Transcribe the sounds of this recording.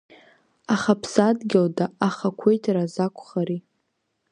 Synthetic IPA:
aχapʰsadɡʲɪldaaχakʷʰejtʰrazakʷʰχaɾi

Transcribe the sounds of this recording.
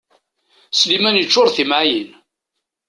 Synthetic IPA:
slimænjət͡ʃːʊɾθimʕajin

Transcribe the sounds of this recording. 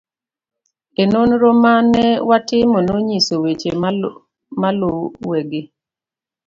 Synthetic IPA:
enonɾomanɛwatɪmonoɲisowet͡ʃe | maloweɡe

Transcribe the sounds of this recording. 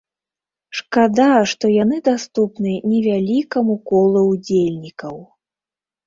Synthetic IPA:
ʂkad̪aʂt̪ɔjanɨd̪ast̪upnɨnʲɛvʲalʲikɐmukɔlˠɐwd͡zʲelʲnʲikɐw

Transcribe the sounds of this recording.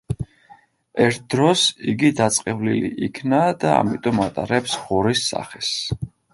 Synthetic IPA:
ɛɾt̪̚ʰd̪ɾɔsiɡid̪at̪sʼqʼɛvliliʔikʰnad̪a̰ːmit̪ʼɔmat̪ʼaɾɛpsʁuɾisːa̰χɛs

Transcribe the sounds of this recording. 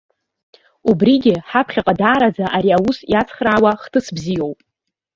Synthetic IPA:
ubriɡʲɪħapʰχʲaqʼadaːɾad͡zaʔaɾiawusjat͡sʰχraːwaχtʰɨsbzijo̞wpʼ

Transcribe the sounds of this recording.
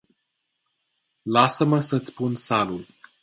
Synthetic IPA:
lasəməsəɨt̪sʲpunsalul

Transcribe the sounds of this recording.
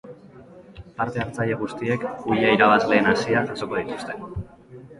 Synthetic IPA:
paɾt̪e̞aɾt͡saʎeɣ̞ust̪ie̞kuʎaiɾaβ̞azle̞ːnasiaʔaso̞ko̞ð̞it̪u̥st̪e̞

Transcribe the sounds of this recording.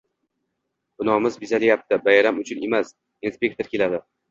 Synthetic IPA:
b̥ʊnɒmɪzbizalɪjap̚t̪ɪbajaɾamʊt͡ʃʰʊne̞mas | inspʲe̞k̚t̪oɾkʲe̞lad̪ɪ

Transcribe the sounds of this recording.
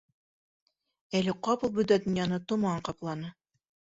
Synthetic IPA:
ælɘqɑpɤ̆lˠbɵ̆d̪æd̪ɵ̆njɑnɤt̪ŏmɑɑɴqɑplˠɑnɤ

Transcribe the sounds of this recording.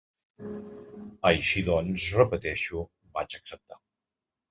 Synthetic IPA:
əjʃiðɔnzrəpət̪ɛʃu | bat͡ʃəksəp̚t̪a

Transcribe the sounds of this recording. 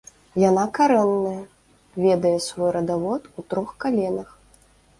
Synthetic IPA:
janakaɾɛnːɐjɐ | vʲɛd̪ɐjɛsvɔjɾɐd̪avɔt̪ut̪ɾɔxkalʲɛnɐx

